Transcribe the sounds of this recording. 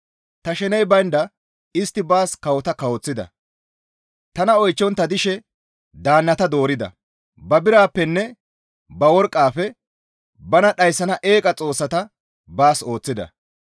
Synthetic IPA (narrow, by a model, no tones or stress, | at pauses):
t̪ɐʃɛnɛjbɐjnd̪ɐ | ɪst̪ːɪbaːskɐwɔt̪ɐkɐwɔt͡sːɪd̪ɐ̰ | t̪ɐnɐɔjt͡ʃːɔnt̪ːɐd̪ɪʃɛ | d̪aːnːɐt̪ɐd̪o̞ːɾɪd̪ɐ̰ | bɐbɪɾaːpːɛnːɛ | bɐwɔɾkʼːaːfɛ | bɐnɐɗɐjsːɐnɐʔe̞ːkʼɐt͡sʼo̞ːsːɐt̪ɐ | baːso̞ːt͡sːɪd̪ɐ̰